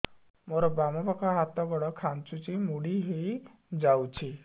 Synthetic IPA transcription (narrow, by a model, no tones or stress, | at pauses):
moɾɔbamɔbakɔɦat̪ɔɡɔɽɔkʰant͡ʃut͡ʃimuɽiɦej | d͡ʒawt͡ʃʰi